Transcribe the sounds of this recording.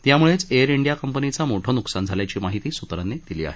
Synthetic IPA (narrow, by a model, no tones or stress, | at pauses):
t̪jamuɭet͡seəɾiɳɖijakəmpənit͡samoʈʰəːnuksand͡zʱaljat͡ɕiːmaɦit̪iːsut̪ɾanːed̪ilḭːa̰ɦe